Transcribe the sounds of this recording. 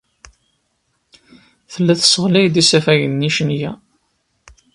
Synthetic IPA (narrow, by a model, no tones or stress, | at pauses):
θəlːæθə̥sːəʁlæjd̪isæfæʝənːiʃnjæ